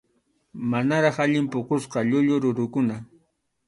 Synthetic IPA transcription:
manaɾɑχaʎɪmpʊqosqɑʎʊʎʊɾʊɾʊkʊna

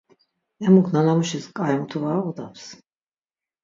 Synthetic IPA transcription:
ɛmukʰnanamuʃiskʼaɛmut̪ʰuvaɔd̪aps

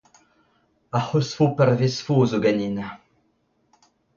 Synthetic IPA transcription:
ahosfopɛrvesfoːzoɡanina

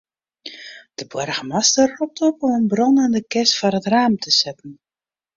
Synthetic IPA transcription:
d̥əbwɛrɣəmastərrɔp̚tʰopɔmənbrɔnandəkɪstfarətraːmtʰəsɪtn̩

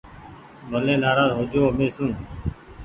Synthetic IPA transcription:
məlẽːnaːɾaːzɦoːd͡ʒoːmẽːsũː

